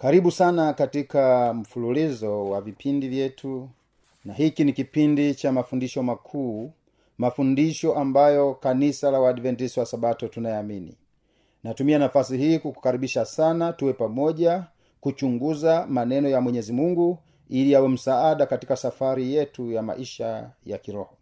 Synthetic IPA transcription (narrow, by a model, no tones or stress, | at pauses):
kaɾiɓusanakatikam̩fululizɔwavipʰindivjɛtʰu | nahikinikipindit͡ʃamafundiʃɔmakʰuː | mafundiʃɔʔambajɔkanisalawaːɗvɛntisiwasaɓatɔtunajɛaminḭ | natumianafasiɦiːkuku̥kaɾiɓiʃasanatuwɛpamɔʄa | kut͡ʃuŋɡuzamanɛnɔjamwɛɲɛzimuŋɡu | iliawɛm̩saaɗakatikasafaɾijɛtujama̰ʔiʃaja̰kiɾɔhɔ